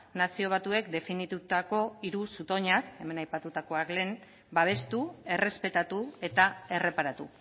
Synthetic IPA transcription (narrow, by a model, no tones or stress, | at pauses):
nasio̞β̞at̪ue̞kd̪e̞finit̪ut̪ako̞iɾusut̪o̞ɲake̞me̞najpat̪ut̪ako̞akle̞n | baβ̞e̞st̪ue̞re̞spe̞t̪at̪ue̞t̪ae̞re̞paɾat̪ṵ